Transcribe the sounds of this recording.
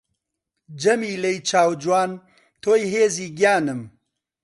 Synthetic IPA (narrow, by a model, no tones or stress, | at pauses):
d͡ʒɐmiːlɐjt͡ʃʰaːwd͡ʒwaːn | t̪ʰoːjɦeːziːɡjaːnɨm